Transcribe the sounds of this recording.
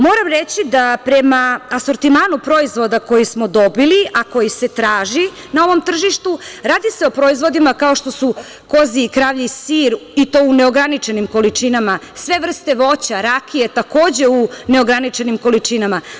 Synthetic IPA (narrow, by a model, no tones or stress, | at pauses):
mo̞ːɾamɾet͡ɕid̪apɾemaːso̞ɾt̪imaːnupɾo̞izʋo̞d̪ako̞jismo̞d̪o̞biliako̞jise̞t̪ɾaːʒi | nao̞ʋo̞mt̪r̩ʒiʃt̪uɾaːd̪ise̞o̞pɾo̞izvʋo̞d̪imakao̞ʃt̪o̞su | ko̞ziːkɾaːʋʎisiɾit̪o̞une̞o̞ɡɾanit͡ʃe̞nimko̞lit͡ʃinamasʋe̞ʋr̩st̪e̞ʋo̞t͡ɕaɾakʰijet̪ako̞ːd͡ʑe̞une̞o̞ɡɾanit͡ʃe̞nimko̞lit͡ʃinama